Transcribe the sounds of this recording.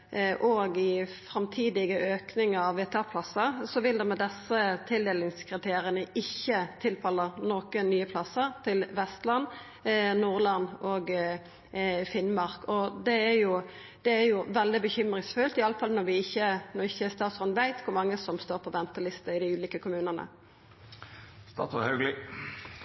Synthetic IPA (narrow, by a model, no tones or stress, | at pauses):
ʔɔɡɪfɾɑmt̪ʰiːd̪ɪɡəʔøːknɪŋəɑʋʋeːt̪ʰɑpʰlɑsːəɾsɔʋɪld̪ɛmɛd̪ɛsːət̪ʰɪld̪eːlnɪŋskʰɾɪt̪ʰeːɾɪənəʔɪçːət̪ʰɪlpʰɑlːəɾnɔːkənyːəpʰlɑsːəɾt̪ʰɪlʋɛst̪lɑnː | nuːʁlɑnːɔɡ | fɪnmɑʁkɔd̪ɛæjʊ | d̪̥ɛæɾjʊʋɛld̪ɪbəçʏmʁɪŋsfʉlt̪ɪɑləfɑlnɔʁʋɪɪçːənɔʁɪçːəst̪ɑːt̪sɔnʋæɪt̪kʰʊɾmɑŋːəsɔmst̪oːɾpʰɔʋɛnt̪əlɪst̪əɪd̪ɪʉːliːkəkʰʊmʉːnənə̰ | st̪ɑ̰ːt̪ɔhœɡlɪ